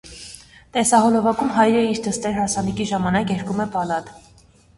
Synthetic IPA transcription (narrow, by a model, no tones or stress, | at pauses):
t̪ɛsɑɦɔlɔvɑkumɦɑjɾəiɾt̪əst̪ɛɾhɑsɑnikiʒɑmɑnɑkjɛɾkumɛpɑlɑt̪